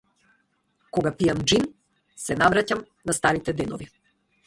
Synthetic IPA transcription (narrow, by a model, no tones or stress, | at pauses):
kɔɡapiamd͡ʒin | sɛnavɾacam | nast̪aɾit̪ɛd̪ɛnɔvi